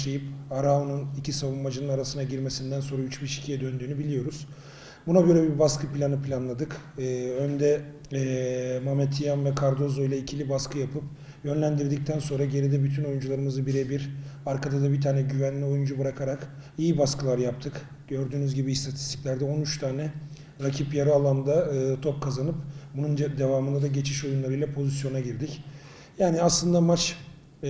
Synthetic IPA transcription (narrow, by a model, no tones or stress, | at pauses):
ʃejipaɾaonunicʰisavumːad͡ʒɯnɯnaɾasɯnaɟiɾme̞sind̪ænso̞nɾayt͡ʃbiʃi̥cʰijɛd̪ø̞nd̪yːnybilʲijo̞ɾuz̥ | bunabøɾɛbibaskʰɯpilʲanɯpʰlʲanlˠad̪ɯkːønd̪ɛː | mamɛt̪ʰijanvɛkʰaɾd̪o̞zo̞jlʲˠaicʰilʲibaskʰɯjapʰɯp | jø̞nlʲænd̪iɾd̪ic̚t̪ʰænso̞nɾaɟe̞ɾid̪ɛbyt̪ʰyno̞jund͡ʒulˠaɾɯmɯzɯbiɾebiɾaɾkʰad̪ad̪abit̪ʰaːnɛɟyvænlʲio̞jund͡ʒubɯɾakʰaɾak | ijibaskʰɯlˠaɾjap̚t̪ʰɯk | ɟ̥ø̞ɾd̪yːnyzɟibiːst̪ʰat̪ʰist̪ʰi̥clʲæɾd̪ɛo̞nyt͡ʃt̪ʰaːnɛ | ɾacʰipjaɾɯalˠand̪aɯːt̪ʰo̞p̚kʰazanɯpbunund̪e̞vaːmɯnd̪ad̪aɟe̞t͡ʃʰiʃo̞junlˠaɾɯjlˠapʰo̞zisjo̞naɟiɾd̪ic | jaːniaslˠɯnd̪amat͡ʃ